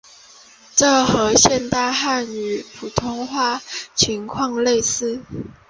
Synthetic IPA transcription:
ʈ͡ʂɤ˥˩xɤ˧˥ɕjɛ˥˧nt̪a˥˧xa˥˩ny˨˩pʰu˨˩t̪ʰʊ˥ŋxwa˥˩t͡ɕʰi˧˦ŋkʰwɑ˥˧ŋle˥˨ɪsɹ̩˥˨

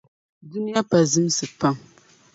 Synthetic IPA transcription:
dʊ˦nɪ˦ja˦pa˨zɨ˦m˦sɨ˨pa˦ŋ

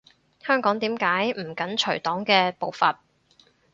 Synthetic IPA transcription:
hœː˥ŋkɔː˨˥ŋt̪iː˨˥mkaː˨˥jm̩˨˩kɐ˨˥nt͡ʃʰɵ˨˩ɥt̪ɔː˨˥ŋkɛː˧po˨wfɐ˨t̚

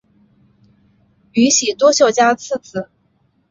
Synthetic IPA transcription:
y˧˥ɕi˨˩t̪wɔ˥ɕjo˥˩ʊt͡ɕja˥t͡sʰɹ̩˥˩t͡sʰɹ̩˥˧˩

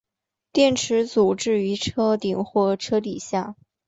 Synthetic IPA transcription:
t̪jɛ˥˩nʈ͡ʂʰɻ̩˧˥t͡su˨˩ʈ͡ʂɻ̩˥˩y˧˥ʈ͡ʂʰɤ˥t̪i˨˩ŋxwɔ˥˩ʈ͡ʂʰɤ˥t̪i˨˩ɕja˥˩

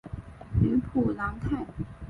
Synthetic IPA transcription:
y˧˥pʰu˨˩la˧˥ŋk̪ʰa˥˩

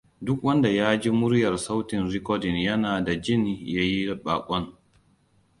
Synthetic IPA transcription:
dʊ˦kwɐ˦nda˨jaː˦d͡ʒi˦mʊ˦ɾjɐ˨rsa˦wtɪ˨nɾi˦kɔ˦dɪ˨njɐ˦naː˨da˨d͡ʒɪ˦˨nja˦ji˦ɓa̰ː˨kʷʼɔ˦n

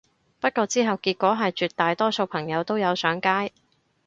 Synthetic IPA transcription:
pɐ˥t̚kɔː˧t͡siː˥ɦɐ˨wkiː˧t̚kʷɔː˨˥ɦɐ˨jt͡ʃyː˨t̚t̪aː˨jt̪ɔː˥so˧wpʰɐ˨˩ŋjɐ˨˧wt̪o˥wjɐ˨˧wsœː˨˥ŋkaː˥j

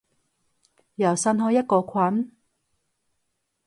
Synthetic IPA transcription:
jɐ˨˩wsɐ˧nɦɔː˧jɐ˥t̚kɔː˧kʰɐ˨˥n

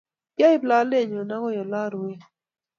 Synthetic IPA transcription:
ja˦ɪ˦pla˦le˦˨ɲɔ˨na˦kɔ˦jɔ˨la˦ɾwe˦

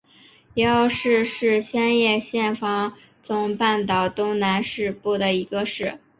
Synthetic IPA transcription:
jɛ˧˥o˥˧ʊʂɻ̩˥˧ʂɻ̩˥˧ɕjɛ˥njɛ˥˧ɕjɛ˥˩nfɑ˧˥ŋ | t͡sʊ˨˧˩ŋpa˥˩nt̪ɑ˨˩ʊt̪ʊ˥ŋna˧˥nʂɻ̩˥˧pu˥˩d̪ə˩i˧˥ɡə˧ʂɻ̩˥˩

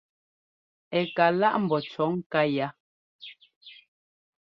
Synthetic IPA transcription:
ɛ˨ka˨la˦ʔm̩˨bɔ˨t͡ʃɔ˨˦ŋ̩˦ka˦ja˦

